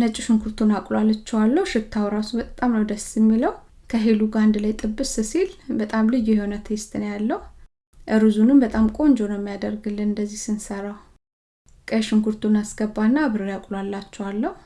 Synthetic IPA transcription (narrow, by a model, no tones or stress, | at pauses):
nət͡ʃʼːiʃɨŋkʰuɾt̪ʰunakʼlwalːət͡ʃːɛwalːəhuʃɨt̪ʰːawɾasubət̪ʼt̪ʼamnəwd̪əsjɛmːiləw | kʰəɦeluɡand̪lajt̪ʼɨbːɨsɨsilbət̪ʼamlɨjːeho̞nət̪ʰest̪ʰɨnjalːəhu | ʔəɾɨzunɨmbət̪ʼamkʼo̞nd͡ʒonəmːijad̪əɾɡɨlːɨnɨnd̪əzːihsɨnsəɾaw | kʼəʃɨŋkuɾt̪ʰunasɡ̥əbːanːaβɨɾɨjakʼlwalːat͡ʃːɛwalːəhu